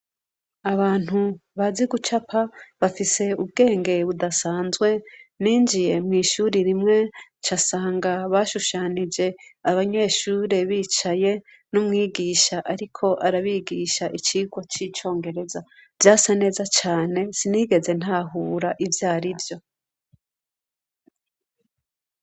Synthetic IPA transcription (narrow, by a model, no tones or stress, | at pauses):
aβaːn̥huβaziɡut͡ʃapʰaβafise̞ub̚ɡe̞ːŋɡe̞βudasaːnzɡwe̞niːnd͡ʒije̞mŋiːʃuːɾiɾimŋe̞t͡ʃasaːŋɡaβaʃuʃanid͡ʒe̞aβaɲe̞ːʃuːɾe̞βiːt͡ʃaje̞ | numŋiːɡiːʃaʔaɾikʰo̞ʔaɾaβiɡiʃaʔit͡ʃiɡwat͡ʃit͡ʃo̞ːŋɡe̞ɾe̞zav̥jaːsane̞ːzat͡ʃaːne̞siniːɡe̞ze̞n̥haːɦuːɾaʔivjaːɾivjo̞